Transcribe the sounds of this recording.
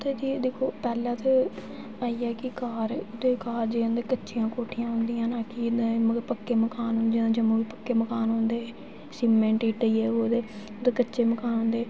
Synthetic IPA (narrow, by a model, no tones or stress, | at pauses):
t̪eːd͡ʒiːd̪eːkʰoːpɛːlãːt̪e | aːiːɛːkɪkaːɾd̪eːkaːɾd͡ʒeːãːd̪eːkət͡ʃːʃijãːkoːʈʰɪjãːɦʊnd̪ijãːnaːkɪd̪məɡəɾpəkːeːməkaːnɦʊnd̪iãːd͡ʒəmõːʋiːpəkːeːməkaːnɦõnd̪eː | siːmẽːɳʈiːʈəiːɛːod̪eː | od̪eːkətːʃeːməkaːnɦʊ̃ːnd̪eː